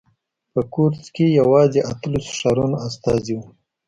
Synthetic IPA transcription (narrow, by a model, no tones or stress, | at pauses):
pəkuɾzkejawɑzeʔat̪əlusʂaɾunast̪ɑziwu